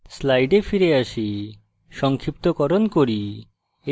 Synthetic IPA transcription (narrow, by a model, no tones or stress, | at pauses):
slajɖepʰiɾeasi | ʃɔŋkʰip̚t̪ɔkɔɾɔnkoɾi | e